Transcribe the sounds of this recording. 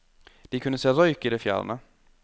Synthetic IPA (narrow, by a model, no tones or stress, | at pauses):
d̪̥ɪkʰʉnəseːɾɔʏkɪd̪ɛfjæ̰ːlə̰nə